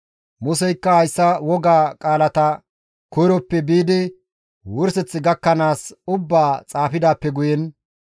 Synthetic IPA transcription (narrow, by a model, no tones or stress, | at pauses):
mʊsɛjkːɐhɐjsːɐwɔɡaːkʼaːlɐt̪ɐ | kɔjɾɔpːɛbiːd̪ɪ | wʊɾsɛt͡sːɪɡɐkːɐnaːsʊbːaːt͡sʼaːfɪd̪aːpːɛɡʊjɛn